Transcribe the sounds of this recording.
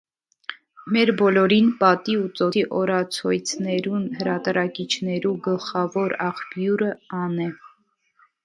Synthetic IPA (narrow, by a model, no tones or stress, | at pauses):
mɛɾbɔlɔɾinpɑt̪iut͡sɔiʔɔɾɑt͡sʰɔjt͡sʰnɛɾunhəɾɑt̪ɾɑkit͡ʃʰnɛɾuɡəlχɑvɔɾɑχpjuɾəɑnɛ